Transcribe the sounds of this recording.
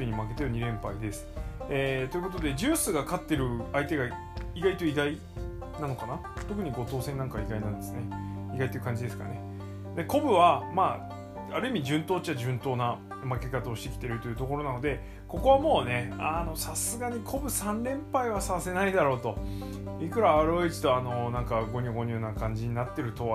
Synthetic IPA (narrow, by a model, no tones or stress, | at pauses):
iɲ̟imake̞t̪eoɲ̟iɾẽ̞mpaid̪e̞sɨ̥eːt̪o̞jɯ̟ko̞t̪o̞d̪e̞d͡ʑɨːsɨɡakat̪ːe̞ɾɯ̟ait̪e̞ɡa | iɡait̪o̞iɡ̪ai | nano̞kanat̪o̞k̬ɯ̟ɲ̟iɡo̞t̪o̞ːsẽ̞nːãŋkaiɡainãnd̪esɨne̞iɡait̪oejiɯ̟kãɲ̟d͡ʑid̪esɨ̥ka̰ɾ̰a̰ne | d̪e̞ko̞bɯ̟βamaː | aɾɯ̟imʲid͡ʑɨ̃nt̪oːt͡ɕt͡ɕiad͡ʑɨ̃nt̪o̞ːna | make̞kat̪aoːɕi̥t̪e̞kʲi̥t̪e̞ɾɯ̟t̪o̞jɯ̟t̪o̞ko̞ɾo̞nano̞d̪e̞ | ko̞ko̞βamo̞ːne̞ano̞sasɨɡaɲ̟ikʰo̞bɯ̟sãnɾẽ̞mpaiβasase̞naid̪aɾo̞ːt̪o̞ | ikɯ̟ɾaːɾo̞it͡ɕi̥t̪o̞ano̞nãŋkaɡo̞ɲ̟ɨːɡo̞ɲ̟ʲɨ̟ːnakãɲ̟d͡ʑiɲ̟inat̪ːe̞ɾɯ̟t̪o̞